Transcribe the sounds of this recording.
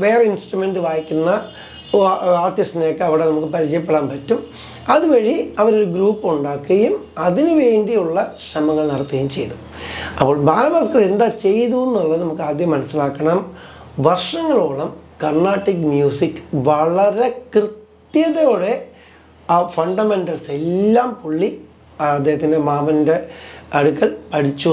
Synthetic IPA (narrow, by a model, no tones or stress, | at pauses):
ʋe̞ːreinsʈrume̞ɳɖɨʋaːjikʲːunːɐ | aːrʈːisʈnokːeɐʋiɽe̞nɐmukːɨpɐɾit͡ɕɐjɐp̬ːeɽaːnpɐtːum | ɐðuʋɐɻiɐʋɐɾo̞ɾuɡɾuːpːuɳɖaːkːɐɐjum | ɐðinɨʋe̞ːɳɖijuɭːɐɕɐmɐŋːɐɭnɐrɐt̪ːɐɣɐjumt͡ɕe̞jt̪um | ɐpːo̞ːɭbʱaːlɐbaːskːɐɭe̞nd̪aːt͡ɕe̞jðuenːuɭːɐðɨnɐmukːɨaːd̪jɐmːɐnɐsːilaːkːɐɳɐm | ʋɐrʂɐŋːɐɭoːɭɐmkɐrnaːʈːikmjuːsikːɨ̥ʋɐɭɐɾe̞krɨt̪jɐðɐjoːɽe̞ | fɐɳɖɐme̞nɖɐlse̞lːaːmpuɭːiː | d̪ːeɦɐt̪ːindemaːʋɐnde̞ɐɽukːɐɭpɐɽit͡ɕːu